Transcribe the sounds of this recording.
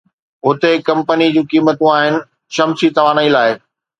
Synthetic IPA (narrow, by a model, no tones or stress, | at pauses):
ʊt̪ekɐ̃mpənid͡ʑũːkiːmət̪ũaːɦɪnɪ̆ | ʃɐmsit̪ɐʋaːnəĩlaːɪ